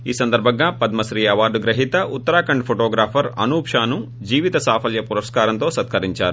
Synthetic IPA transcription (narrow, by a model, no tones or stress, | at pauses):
iːsɐnd̪ɐɾbʱɐɡːapɐd̪mɐsɾiːɐʋaːd̪uɡɾɐɦit̪ɐʔut̪ːɐɾaːkɐɳɖpʰoʈoːɡɾaːpʰɐɾɐ̰nuːpʂaːnu | d͡ʒiːʋit̪ɐsaːpʰɐljɐpuɾɐskaːɾɐnt̪o̞ːsɐt̪̚kʰɐɾiɲt͡ʃaːɾu